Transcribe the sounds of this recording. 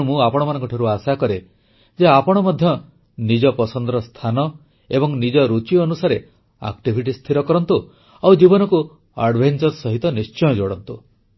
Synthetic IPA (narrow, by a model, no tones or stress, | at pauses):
umũapɔɽ̃ɔmanɔŋkɔʈʰiɾuasakɔɾe | d͡ʒeapɔɽ̃ɔmɔd̪ʱjɔ | nid͡ʒɔpɔsɔnd̪ɾɔst̪ʰanɔ | ebɔŋnid͡ʒɔɾut͡ʃiɔnusaɾe | a̰kʈibʱiʈist̪ʰiɾɔkɔɾɔnt̪u | awd͡ʒibɔnɔku | aɾɖbʱent͡ʃɔɾsɔɦit̪ɔnist͡ʃɔjɔd͡ʒoɽɔnt̪u